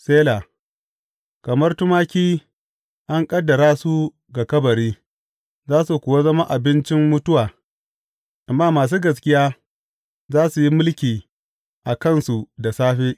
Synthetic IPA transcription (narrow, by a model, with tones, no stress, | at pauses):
seː˦laː˨ | kɐ˨mɐ˦rtʊ˦maː˦kʲiː˦ | ʔa˦ŋkʼɐ˦dːɐ˨ɾaː˦su˦ | ɡa˨kɐ˦bɐ˨ɾiː˦ | zaː˦su˨kʷʊ˨wa˦zɐ˦ma˦ʔa˨bɪ˦nt͡ʃɪ˦mːʊ˦tʊ˦waː˨ | ʔa˨mːaː˦maː˨s̬uː˦ɡɐ˨skʲɪ˦jaː˦ | zaː˦su˨ji˦mʊ˦lkʲiː˨ | ʔa˨kɐ˦˨nsu˨da˨saː˦ɸeː˦ʔ